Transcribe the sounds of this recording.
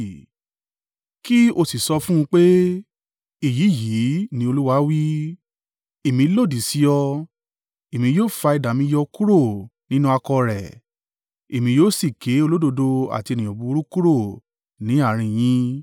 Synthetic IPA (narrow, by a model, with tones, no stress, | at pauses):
ki˦o˧si˨sɔ˧fũ˦ũ˧k͡pe˦ | i˦˨ji˨˦˨ji˨˦nĩ˧˦o˧lu˦wa˦wi˦ | e˨mĩ˧˦lo˦˨di˨si˨˦jɔ˧ | e˨mĩ˧joː˦˨fa˧i˧da˨mĩ˧˦jɔ˧ku˦ɾo˦˨nĩ˦nũ˦a˧kɔ˧ɾɛ˨ | e˨mĩ˧joː˦si˦˨ke˨˦o˧lo˦do˧do˧a̰˨ti˧e˧nĩ˨ɔ̃˨bu˨˧˦ɾu˦ku˦ɾo˦˨ | nĩ˨˦a˦˨ɾ̃ĩ˧j̃ĩ˦